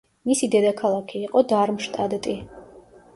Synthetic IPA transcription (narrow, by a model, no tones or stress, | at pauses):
misid̪ɛd̪akʰalˠakʰiːqʼɔd̪aɾmʃt̪ʼad̪t̪ʼi